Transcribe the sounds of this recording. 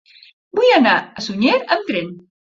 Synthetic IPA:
bujanaasuɲeɾəmt̪ɾen

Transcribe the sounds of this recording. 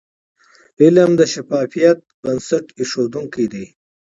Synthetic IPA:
ɪləmd̪əʃafɑːfijɐt̪̚bɐnsɐʈɪʂod̪uŋkid̪i

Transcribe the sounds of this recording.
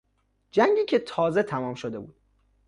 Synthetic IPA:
d͡ʒæŋɟiːcʰe̞t̪ʰɒːze̞t̪ʰæmɒːmʃod̪e̞bṵːd̪̥

